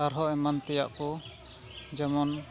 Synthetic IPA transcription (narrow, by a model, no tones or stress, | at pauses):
aɾɦɔɛmant̪ɛja̰ʔkɔ | d͡ʒɛmɔn